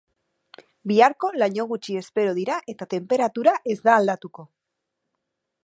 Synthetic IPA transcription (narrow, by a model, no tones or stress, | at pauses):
biaɾko̞laɲo̞ɣ̞ut͡ʃiespe̞ɾo̞ð̞iɾaʔe̞t̪at̪e̞mpe̞ɾat̪uɾaʔe̞zd̪aːld̪at̪uko̞